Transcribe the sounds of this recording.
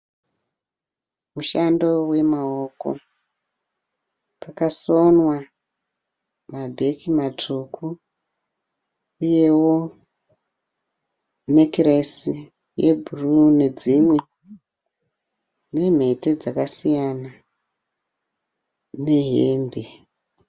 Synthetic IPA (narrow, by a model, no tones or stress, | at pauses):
muʃando̞we̞maoko̰ | pakaso̞nwa | mabʱe̞kimatʰuku | uje̞wo̞ | ne̞kiresi | jebʱurune̞d͡zimwe̞ | ne̞m̤e̞ted͡zakasijana | ne̞ɦḛːmbe